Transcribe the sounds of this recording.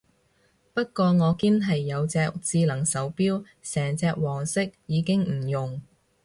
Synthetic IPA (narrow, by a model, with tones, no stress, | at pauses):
pɐ˥t̚kɔː˧ŋɔː˨˧kiː˥nɦɐ˨jːɐ˨˧wt͡sɛː˧kt͡siː˧lɐ˨˩ŋsɐ˨˥wpiː˥w | sɛː˨˩ŋt͡sɛː˧k̚wɔː˨˩ŋsɪ˥k̚jiː˨˧kɪ˥ŋm̩˨˩jʊ˨˩ŋ